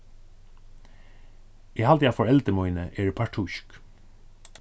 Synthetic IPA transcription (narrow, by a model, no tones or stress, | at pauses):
ihalt̪jafɔɹɛlt̪əɾmɔjnəʔeːɹpʰaʈʰʊʃk